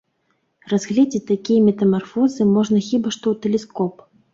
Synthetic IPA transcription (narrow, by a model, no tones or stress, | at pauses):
razɣlʲɛd͡zʲet͡sʲt̪akʲijɐmʲɛt̪ɐmarfɔzɨmɔʐnɐxʲibaʂt̪ɔwt̪ɛlʲɛskɔp